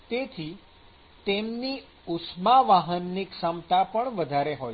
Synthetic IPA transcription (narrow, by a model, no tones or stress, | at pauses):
t̪et̪ʰi | t̪emni | usmaʋaɦənːiksəmt̪apəɳʋəd̪ʱaɾeɦoj